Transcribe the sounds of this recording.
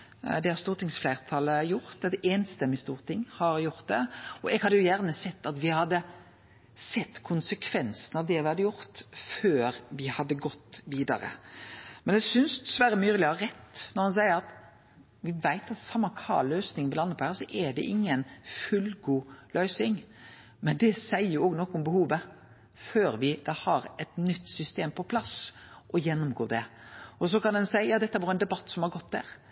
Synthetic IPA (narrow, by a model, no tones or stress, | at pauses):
d̪ɛhɑɾst̪uːɾt̪ʰɪŋsflæɪʁt̪ʰɑləjʊɾt̪ɛt̪ɛːnst̪ɛmːɪst̪ṵːʁt̪ʰɪŋːhɑɾjʊʁt̪̚d̪ɛɔɛɡhɑd̪ːəjʊjæʁnəsɛt̪ːɑt̪ʋɪhɑd̪ːə | sɛt̪ːkʰʊnsəkʰʋɛnsn̩ɑʋd̪ɛʋɪhɑd̪əjʊɾt̪føːɾʋɪhɑd̪ːəɡɔt̪ːʋiːd̪ɑ̰ɾə̰mɛnɛsʏnsd̪ɛsʋæɾəmyːɾlɪɑɾɛt̪ːnɔɾhɑns̬æɪəɾɑt̪ | ʋɪʋæɪt̪ɑt̪sɑmːɑkʰɑ̰løːsnɪŋʋɪlɑnːəpʰɔːhæːɾsɔʔɛd̪ɛ̰ʔɪŋːənfʉlɡuːlʔœʏsɪŋ | mɛnd̪ɛsæɪəjʊoːɡnɔkːʊmbəhuːʋə | føːɾʋɪd̪ɑːhɑɾɛt̪nʏt̪ːsʏst̪eːmpʰɔpʰlɑsʔɔjɛnːʊmɡo̰ːd̪ɛɔsɔkɑnd̪ɛnsæɪjɑːd̪ɛt̪ːəæʋɔɾɛnd̪ɛbɑt̪ːsɔmhɑɾɡɔt̪d̪æ̰ɾ